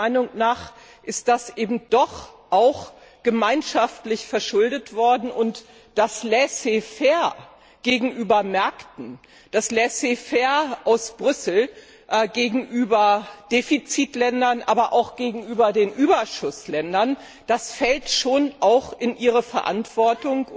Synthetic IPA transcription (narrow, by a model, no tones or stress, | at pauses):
aɪnʊŋnaːχ | ʔɪst̚d̥asʔeːbm̩d̥ɔχʔaʊx | ɡ̥əmaɪnʃaftlɪçfɛɐʃʊldətv̥ɔɐdn̩ʔʊnt | d̥aslɛsefɛːɐ | ɡ̥eːɡŋ̩ʔyːbɐmɛɐktn̩ | d̥aslɛsefɛːɐʔaʊsb̥ʁʏsl̩ | ʔɡeːɡŋ̩ʔyːbɐd̥eːfit͡siːtlɛndɐnʔa̰ːbɐʔa̰ʊxɡ̥eːɡŋ̩ʔyːbɐdeːnʔyːbɐʃʊslɛndɐn | d̥asfɛltʃoːnʔaʊxɪnʔiːʁ̞əfɛɐʔa̰ntv̥ɔɐtʊŋ